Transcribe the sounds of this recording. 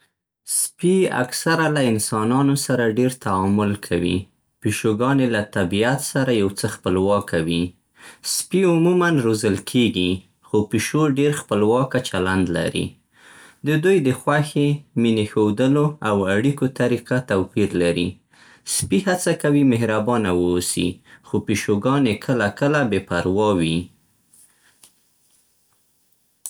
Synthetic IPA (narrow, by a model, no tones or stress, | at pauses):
spia̰ksaɾalaɪnsɑnɑnosaɾaɖeɾt̪aɑmʊlkʰawḭ | piʃoɡɑnelat̪abiat̪saɾajawt͡səxpəlwɑkʰawi | spiʊmumanɾozəlkʰeɡi | xopiʃoɖeɾxpəlwɑkat͡ʃaland̪la̰ɾḭ | d̪əd̪ujd̪əxwaxeminexowd̪əloawaɽikot̪aɾiqat̪awpiɾlaɾi | spiɦat͡sakawimɪɦɾabɑnawəːsḭxopiʃoɡɑnekʰəlakəlabepaɾwɑwi